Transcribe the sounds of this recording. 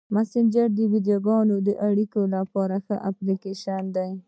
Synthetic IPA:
masɪnd͡ʒəɾd̪əwid̪joɡɑnod̪əʔaɽikolapɑɾaxəʔaplikeʃand̪aj

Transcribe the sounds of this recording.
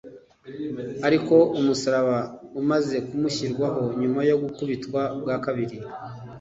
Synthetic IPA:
aɾiko̞umusaɾaβaumaze̞kumuçiɾɡwaɦo̞ɲumajo̞ɡukuβitkwabɡaːkaβiɾi

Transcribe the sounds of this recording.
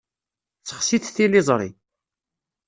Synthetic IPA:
t͡sːə̥χsiθθilɪzˤɾˤḭ

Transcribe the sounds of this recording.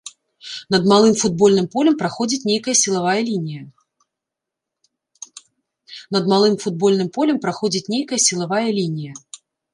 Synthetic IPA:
nɐd̪malˠɨmfud̪̚bɔlʲnɨmpɔlʲɛmpɾaxɔd͡zʲit͡sʲnʲejkɐjɐsʲilˠavajɐlʲinʲijɐ | nɐd̪malˠɨmfud̪̚bɔlʲn̪ɨmpɔlʲɛmpɾaxɔd͡zʲit͡sʲnʲejkɐjɐsʲilˠavajɐlʲinʲijɐ

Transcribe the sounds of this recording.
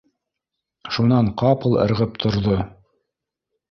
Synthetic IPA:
ʃunɑɴqɑpɤlˠɤ̰̆ɾʁɤp̚t̪ʰŏɾðo

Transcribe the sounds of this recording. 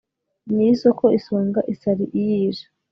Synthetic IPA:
nisokoisoːŋɡaʔisaɾiʔijiːʒḁ

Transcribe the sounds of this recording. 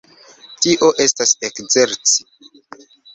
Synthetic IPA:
tiʔo̞ʔe̞stasekze̞ɾt͡si̥

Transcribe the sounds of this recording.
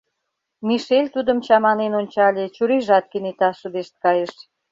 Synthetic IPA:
miʃelʲt̪ud̪ə̆mt͡ɕɑmɑnenonʲt͡ɕɑlʲet͡ɕuɾiʒɑt̪̚kənet̪ɑʃə̆d̪eʃt̪̚kɑjeʃ

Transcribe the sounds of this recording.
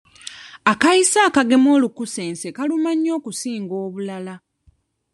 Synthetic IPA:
akaisaːkaɡe̞mo̞ːlukuse̞ːnse̞kalumaɲːo̞ːkusiːŋɡo̞ːβulala

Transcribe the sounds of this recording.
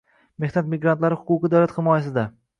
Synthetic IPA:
mehnat̪mɪɡɾant̪laɾɪhʊqʊqɨd̪awlat̪hɪmɒjas̬ɪd̪a

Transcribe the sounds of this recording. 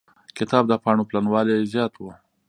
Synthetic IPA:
kɪt̪ɑb̚d̪əpɑɳoplanwɑlezjɑt̪wu

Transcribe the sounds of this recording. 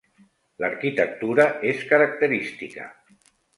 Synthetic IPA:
ləɾkit̪ək̚t̪uɾəʔeskəɾak̚t̪əɾist̪ikə̰

